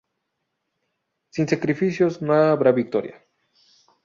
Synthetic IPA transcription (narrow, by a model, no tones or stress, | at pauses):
sinsakɾifisjoznaaːβɾaβik̚t̪oɾja̰